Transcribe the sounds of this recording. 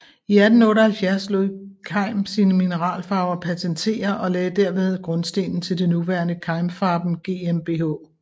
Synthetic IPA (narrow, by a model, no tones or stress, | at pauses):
iæd̥n̩ɔ̽ːɾɐhælfjæɐsloðˠkʰɑ̈ɪ̰msiːnəminəʁɑ̰̈ːlfɑ̈ːʊɐpʰæt͡sʰent͡sʰe̝̰ːɐʔɒ̽lɛːd̥æɐ̰ʋe̝ð̞ˠɡ̥ʁɔ̽nsd̥e̝̰ːnn̩t͡sʰe̝ld̥e̝nuʋæɐnəkʰɑ̈ɪmfɑ̈ːb̥m̩ɡ̥e̝ːemb̥e̝ɦɔ̰